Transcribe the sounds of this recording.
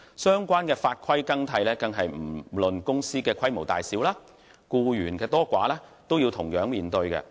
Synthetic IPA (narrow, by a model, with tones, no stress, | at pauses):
sœː˥ŋkʷaː˥nkɛː˧faː˧t̚kʰɐ˥jkɐ˥ŋt̪ʰɐ˧jlɛː˥kɐ˧ŋɦɐ˨jm̩˨˩lɵ˨nkʊ˥ŋsiː˥kɛː˧kʰɐ˥jmo˨˩wt̪aː˨jsiː˨˥wlaː˥ | kuː˧jyː˨˩nkɛː˧t̪ɔː˥kʷaː˨˥lɛː˥t̪o˥wjiː˧wt̪ʰʊ˨˩ŋjœː˨˥ŋmiː˨nt̪ɵ˧ɥkɛ̰˧